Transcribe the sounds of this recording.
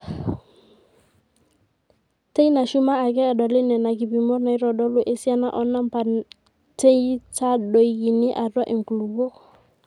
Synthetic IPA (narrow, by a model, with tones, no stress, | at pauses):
te˦i˦na˨ʃu˦maː˦˨k̬ɛː˦˨ɗɔ˨lɪ˦nɛ˨na˨k̬i˨pi˨mɔ˦rna˨i˦ɾɔ˨ɗɔ˦lʊ˦ʔe˨si˦a˦na˦ʔɔ˦na˦mpa˨ | te˦i˦ta˦ɗo˨i˨˦ki˨nɪ˦ʔa˨rwa˦ʔɪ˨ŋ˨ku˨lu˨bo˦